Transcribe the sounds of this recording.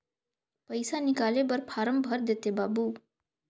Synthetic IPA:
pəjsanikaːlebəɾpʰaːɾəmbʱəɾd̪et̪ebaːbu

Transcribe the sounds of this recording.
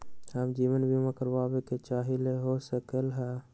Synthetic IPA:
ɦəmd͡ʒiːʋənbʱimẽkəɾbabeket͡ʃaːɦileɦosəkəlɦɛ

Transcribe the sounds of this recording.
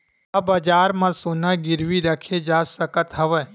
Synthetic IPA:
ɐbɐd͡ʒaːɾmãsoːnãɡɪɾʋiɾəkʰed͡ʒaːsəkət̪ɦɐʋə

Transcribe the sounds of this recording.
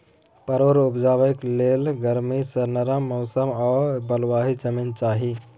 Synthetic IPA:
pəɾoɾupd͡ʒaːʋəjklelɡəɾmisəɾnəɾəmːɔʊsəmɔːɾbəlwaːɦid͡ʒəmint͡ʃaːɦi

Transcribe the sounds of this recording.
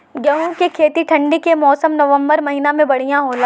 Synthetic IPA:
ɡɐɦũkekʰeːt̪iʈʰɐ̃ɳɖikemɔːsəmnɐʋə̃mbəɾmɐɦiːnamẽbɐɽ̤ijãɦoːla

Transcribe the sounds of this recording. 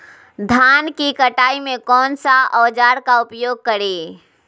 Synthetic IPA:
d̪ʱaːnkikəʈaːimẽkɔːnsaɔːd͡ʒaːɾkaʊpjoːɡ̚kəɾeː

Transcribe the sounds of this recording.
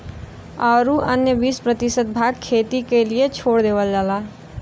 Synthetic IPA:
ɔɾuʔənjəbispɾət̪isət̪̚bʱaɡ̚kʰet̪ikeliet͡ʃʰoɽd̪ebəld͡ʒala

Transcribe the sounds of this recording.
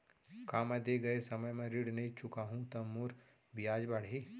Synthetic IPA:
kaːmɛ̃d̪eːɡɐesɐməjmẽɾiɽnɐɦĩt͡ʃʊkaɦũt̪ɐmːuɾ | bɪjaːd͡ʒbɐɽ̤iː

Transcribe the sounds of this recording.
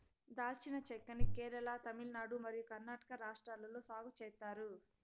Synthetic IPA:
d̪aːlt͡ʃinɐt͡ʃɛkːɐnikɛːɾɐlɐt̪ɐmilnaːɽumɐɾijukɐɾnaːʈɐ̥kɐɾaːʂʈɾaːlːɐloːsaːɡut͡ʃɛːt̪ːaːɾu

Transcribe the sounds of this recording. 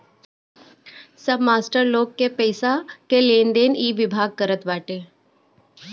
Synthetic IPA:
səbmaːsʈəɾloːɡkːepɛːsakeleːnd̪eːniːʋɪbʱaːɡ̚kəɾət̪ʋaːʈeː

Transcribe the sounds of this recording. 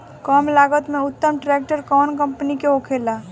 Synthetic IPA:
kɔːmlaːɡət̪mẽʊt̪ːəmʈɾeːk̚ʈəɾkɔːnkə̃mpənikeɦoːkʰeːlaː

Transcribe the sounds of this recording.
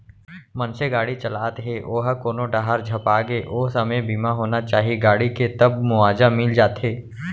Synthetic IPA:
mɐnseɡaːɽit͡ʃɐlaːt̪ɦeːʔoːɦəkoːnoɖaːɦaɾd͡ʒʱɐpaːɡeːʔoːɦsɐməebʱiːmaɦoːnat͡ʃaːɦiɡaːɽiket̪ɐb̚mʊaːd͡ʒamɪld͡ʒaːt̪ɦeː

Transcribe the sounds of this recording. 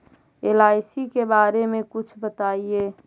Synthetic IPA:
eːlaːɪsikebaːɾemẽkʊt͡ʃʰbət̪aːieː

